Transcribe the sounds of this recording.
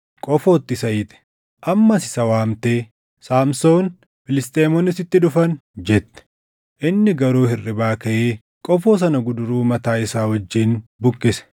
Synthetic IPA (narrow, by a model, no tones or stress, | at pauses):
kʼɔfoːt̪ːɪsɐjɪːt̪ɛ̥ | ʔɐmːɐsɪ̥sɐwaːmt̪e̞ː | saːmsoːn | fɪlɪst̪ʼeːmɔnːɪsɪt̪ːɪᶑʊfɐnd͡ʒɛt̪ːɛ̥ | ʔɪnːɪɡɐɾuːhɪrːɪbaːkɐʔeː | kʼɔfo̞ːs̬ɐnɐɡʊd̪ʊɾuːmɐt̪aːɪsaːwɐd͡ʒːiːnbʊkʼːɪsɛ̥